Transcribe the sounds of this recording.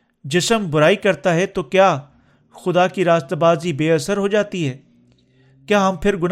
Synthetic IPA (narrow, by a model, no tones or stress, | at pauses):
d͡ʒɪsəmbʊɾaːikɐɾt̪aɦɛt̪oːkjaː | xʊd̪aːkiɾaːst̪abaːzibeːɐsəɾɦoːd͡ʒaːt̪iɦɛː | kjaːɦɐmpʰɪɾɡʊn